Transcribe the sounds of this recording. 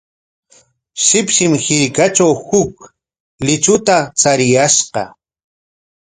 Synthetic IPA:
ʃɪpʃɪmhɪɾkat͡ʃawhʊk | lɪt͡ʃʊt̪at͡saɾɪjaʃqɑ̰

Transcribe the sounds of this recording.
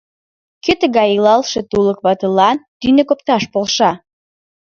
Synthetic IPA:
køt̪əɣɑjilɑlˠʃet̪uləkβɑt̪əlɑnt̪ynekopt̪ɑʃpolʃɑ

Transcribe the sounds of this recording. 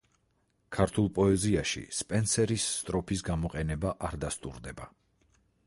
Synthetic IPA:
kʰaɾt̪ʰulˠpʼɔɛziaʃḭspʼɛnsɛɾisːt̪ʼɾɔpʰis̬ɡamɔqʼɛnɛbaʔaɾd̪ast̪ʼṵɾd̪ɛba

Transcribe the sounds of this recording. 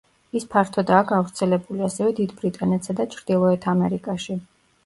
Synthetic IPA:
ispʰaɾt̪ʰɔd̪aːkʰɡavɾt̪sʰɛlɛbuliasɛvɛd̪id̪bɾit̪ʼanɛt̪ʰsad̪at͡ʃʰɾd̪̥ilˠɔɛt̪ʰamɛɾikʼaʃi

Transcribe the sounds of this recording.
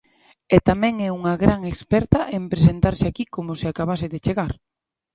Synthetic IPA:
ɛt̪amɛ̃ŋɛuŋɐɣɾaŋekspɛɾt̪ɐʔempɾesent̪aɾseakikomʊsɪakaβasɪðet͡ʃeɣaɾ

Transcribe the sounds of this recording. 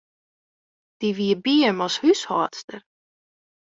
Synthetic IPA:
d̥iʋiəbiəmɔshyshɔːtstər

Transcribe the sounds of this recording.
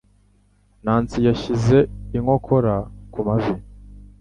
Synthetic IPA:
naːnt͡sijaçize̞iŋo̞kʰo̞ɾakumavi

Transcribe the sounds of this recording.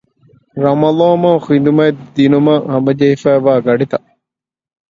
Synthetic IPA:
ɾɐmɐlɑːmɐxind̪umɐed̪inumɐhɐmbɐd͡ʒɐɦifæːʋaːɡɐɖit̪ɐ

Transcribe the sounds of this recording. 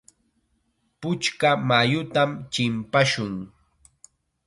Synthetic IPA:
pʊt͡ʃkamajʊt̪amt͡ʃɪmpaʃʊŋ

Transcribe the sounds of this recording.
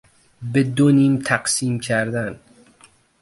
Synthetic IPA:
bed̪oniːmt̪ʰæqsiːmcʲʰæɾd̪æn

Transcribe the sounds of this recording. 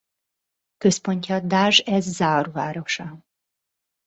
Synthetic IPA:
kø̞spo̞ɲcɒd̪aːʒɛzːaːrvaːɾoʃɒ

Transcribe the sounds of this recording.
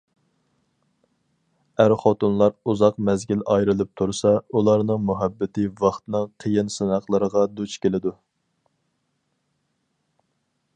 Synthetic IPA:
æɾχot̪unlˠɑɾuzɑq̚mɛzɡʲilɑjɾɨlˠɨp̚t̪ʰuɾsɑulˠɑɾnɨŋmuɦæbːɪt̪ʰɪvɑχt̪ɨnɨŋqʰəjɪnsɨnɑχlˠəɾəʁɑd̪ut͡ʃkʲelɪd̪u

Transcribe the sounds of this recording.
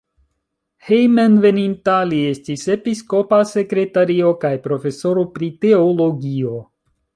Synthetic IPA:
hejmenve̞nintalie̞stise̞pisko̞pase̞kɾe̞taɾio̞kajpɾo̞fe̞so̞ɾo̞pɾite̞olo̞ɡio̞

